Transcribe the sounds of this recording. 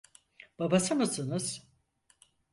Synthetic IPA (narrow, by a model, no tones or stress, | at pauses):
b̥abasɯmɯsɯnɯz̥